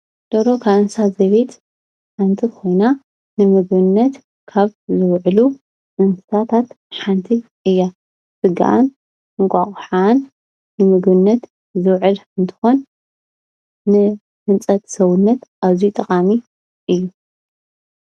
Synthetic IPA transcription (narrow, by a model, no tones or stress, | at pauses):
d̪̥oɾo̞kʰaɨnsazɐβet̪ | ħant̪ʰikʰo̞jna | nɨmɨɡβɨnːɐt̪ | kʰaβzɨwʕlu | ʔɨnssat̪ʰat̪ | ħant̪ʰi | ʔɨjːa | sɨɡa̰ʔa̰n | ɨŋkʷʼaχʼħanː | ɨmɨɡbɨnːɐt̪ | zɨwʕɨlɨnt̪ʰɨ̥xo̞n | ɨ | hɨnt͡sʼɐt̪sɐβʊnːɐt̪ʔaβzijt̪ʼɐχʼami | ʔɨjːu